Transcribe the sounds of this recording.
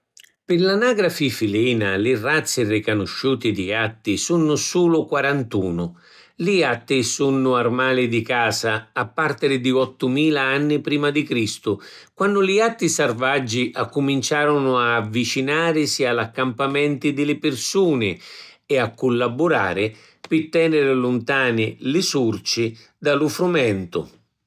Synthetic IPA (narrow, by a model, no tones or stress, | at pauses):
pɪrlanaːɡɾafifiliːnalɪrat̪sɪrikanʊʃːuːt̪id̪iat̪ːisunʊsuːlʊkwaɾant̪ṵːnʊ | liat̪ːisunʊarmaːlɪd̪ikaːsaːpːart̪ɪɾɪd̪iɔt̪ːʊmiːlaanːɪpɾiːmad̪ikɾist̪ʊ | kwanːʊliat̪ːisarvad͡ʒːiʔakːʊmint͡ʃaːɾʊnʊaːvːit͡ʃinaːɾɪsialakːampamɛnt̪ɪd̪ɪlɪpɪrsuːnɪɛakːʊlːabʊɾa̰ːɾɪ | pɪt̪ːɛːnɪɾɪlʊnt̪aːnɪlɪsurt͡ʃi | d̪alʊfɾumɛnt̪ʊ̰